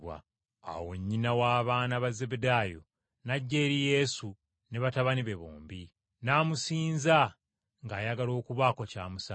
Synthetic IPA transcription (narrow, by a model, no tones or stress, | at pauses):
wa̰ | a̰wo̞ɲːinawaːβaːnaβaze̞bedaːjo̞̰ | naɟːeːɾije̞ːsu | ne̞βataβaniβe̞βo̰ːmbi | naːmusiːnza | ŋɡaːjaɡalo̞ːkuβaːkocaːmusa